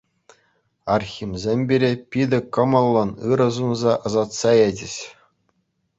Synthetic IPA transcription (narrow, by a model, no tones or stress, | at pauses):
ɑrxʲimzʲemʲbʲeɾʲepʲid̪ʲɘ̆kɤ̆mɤ̆lˠːɤ̆nɯɾɤ̆zunzɑʔɤ̆zɑt̪sɑjed͡ʑɘ̆ɕ